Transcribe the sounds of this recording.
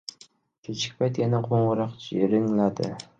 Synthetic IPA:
kʲʰet͡ʃʰɪ̥k̚ʲpʰajt̪janaqʰoɴʁʊɾɑqt͡ʃʰiɾɪŋlad̪ɪ̰

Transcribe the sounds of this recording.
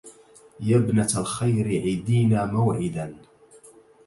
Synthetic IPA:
jabnat̪alxajɾɪʕɪd̪iːnaːmawʕɪd̪an

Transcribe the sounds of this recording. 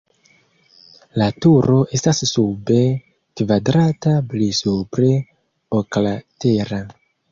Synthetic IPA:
latuɾo̞ʔe̞stasːube̞ | kvadɾataplisupɾe̞ | oklate̞ɾa

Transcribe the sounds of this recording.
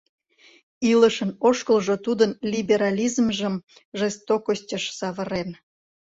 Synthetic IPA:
iləʃənoʃkəlʒot̪ud̪ənlʲibeɾɑlʲizmʒəm | ʒest̪okostʲəʃsɑβəɾen

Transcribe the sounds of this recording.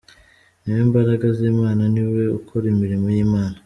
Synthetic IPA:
niweːmbaɾaɡazeːmaːnaniwe̞ukʰoɾimiɾimojiːmaːna

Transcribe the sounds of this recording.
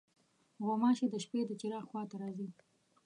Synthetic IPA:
ɣomɑʃed̪əʃped̪ət͡ʃiɾɑxwɑt̪aɾɑzi

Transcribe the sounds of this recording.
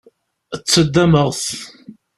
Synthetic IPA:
ət͡sːəd̪ːæməʁθ

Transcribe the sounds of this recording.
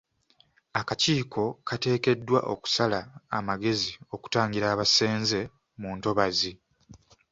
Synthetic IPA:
akaciːkʰo̞kʰate̞ːke̞dːwa̰ʔo̞ku̥salaːmaɡe̞zio̞ku̥taːɲɡiɾaːβase̞ːnze̞ | muːnto̞βazi

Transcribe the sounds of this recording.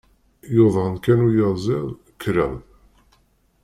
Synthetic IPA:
joðˤʁənkænujəzˤɪðˤ | kʰɾæʁð

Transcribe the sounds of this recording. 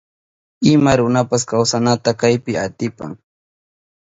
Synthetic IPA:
ɪmaɾʊnapaskawsanat̪akajpɪat̪ɪpa̰ŋ

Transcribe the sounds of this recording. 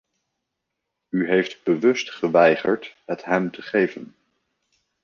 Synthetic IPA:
yɦejftbəʋɵstχəʋɛjχəɹtɦətɦɛmtəχejvən

